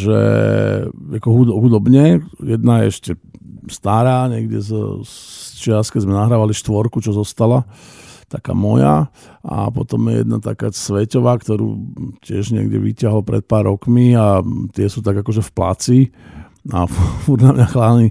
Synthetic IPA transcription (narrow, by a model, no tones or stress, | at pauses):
ʒɛ̰ | akɔɦud̪ɔɦud̪ɔbɲɛjɛd̪najɛɛʃcɛst̪aɾaːɲɛɡɟɛz | t͡ʃɪastkɛzmɛnaɦɾaːʋaliʃt̪ʋɔɾkut͡ʃɔzɔst̪alat̪aka̰ːmɔja̰ | a̰pɔt̪ɔmjɛjɛ̰d̪nat̪akaːsʋɛcɔʋaːkt̪ɔɾṵːt̪ɪɛʒɲɪɛ̰ɡɟɛ̰ʋḭcɪaɦlɔpɾɛ̰t̪̚paːɾːɔkmiat̪ɪɛsuːt̪aɡakɔʒɛfpla̰t͡si | affuɾnamɲaxlalni